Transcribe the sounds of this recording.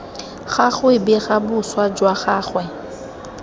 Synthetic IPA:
χaχwɪbɪɣabʊswad͡ʒwaχaːχwɛ

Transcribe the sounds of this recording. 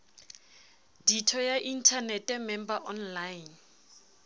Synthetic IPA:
ditʰɔjaʔin̩tʰanɛtʼɛmɛmbaʔɔnlajn

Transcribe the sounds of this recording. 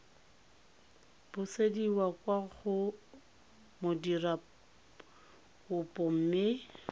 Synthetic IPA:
b̥ʊsediwakʼwaɣʊ | modira | ʊpʼɔm̩mɪ

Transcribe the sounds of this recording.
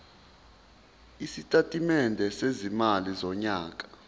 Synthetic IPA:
isitʼatʼimɛndʱɛsezimalizɔɲaːkʼḁ

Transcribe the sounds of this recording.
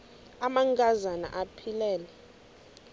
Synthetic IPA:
amaŋkʼazana̰ʔapʰilɛːlɛ

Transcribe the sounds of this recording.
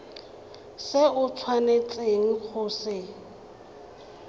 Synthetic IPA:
sɪʊt͡sʰwanet͡sʼeŋ̩k͡xʊːsɪ

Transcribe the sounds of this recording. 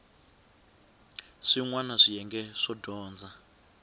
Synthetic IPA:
ʂiŋwanaʂijɛŋɡɛʂɔdɔːnd͡za

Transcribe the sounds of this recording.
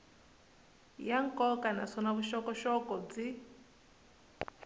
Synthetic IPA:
jaŋ̩kʼɔkʼana̰sɔnaβuʃɔkɔʃɔkɔd͡zi

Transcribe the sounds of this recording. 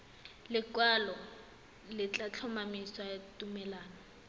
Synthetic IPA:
lɪkwalɔ | lɪt͡ɬʼat͡ɬʰɔmamisatʼumɛlaːnɔ

